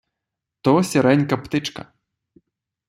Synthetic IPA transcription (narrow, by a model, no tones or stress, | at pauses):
t̪ɔsʲɛɾɛnʲkɐpt̪ɪt͡ʃkɐ̰